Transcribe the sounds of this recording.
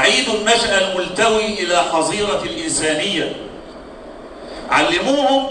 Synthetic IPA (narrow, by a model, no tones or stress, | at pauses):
ʕiːd̪ʊnmaʃʔalmʊlt̪awiːʔɪlaːxɑzˤiːɾˤɑlʔɪnsaːnɪjːa | ʕalːɪmuːhʊm